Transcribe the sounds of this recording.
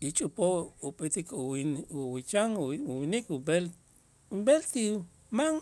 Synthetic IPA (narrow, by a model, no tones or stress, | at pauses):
it͡ʃʼupouɓʼet̪ikuwinuwit͡ʃaŋuwinikubel | umbelt̪i | maŋ